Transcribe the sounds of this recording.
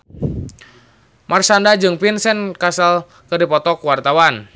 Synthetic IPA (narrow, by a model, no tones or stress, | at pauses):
mʔarsandad͡ʒɨŋpinsɛnkasal | kədipɔt̪ɔkuwart̪awan